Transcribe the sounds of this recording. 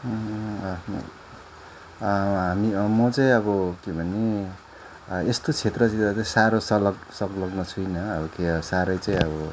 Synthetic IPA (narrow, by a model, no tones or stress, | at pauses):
ɦamimʌt͡saĩʌbʌkebʱʌne | est̪ot͡sʰet̪rʌĩat͡saĩsaɾosʌlʌksʌklʌɡnʌt͡sʰujnʌːbʌkeʌsaɾʌjt͡saĩʌbʌ